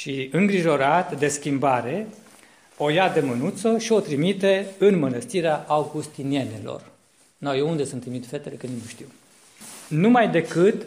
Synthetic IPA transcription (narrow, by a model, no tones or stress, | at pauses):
ʃiɨŋɡɾiʒo̞ɾat̪d̪e̞skʲimbaɾe̞ | o̞jad̪emənut̪soʃio̞t̪ɾimit̪e̞ɨnmənəst̪iɾeaʔawɡust̪inie̞ne̞lo̞̰r | najeund̪esunt̪ːɾimit̪fet̪elekɨniməʃt̪iw | numajd̪e̞kɨt̪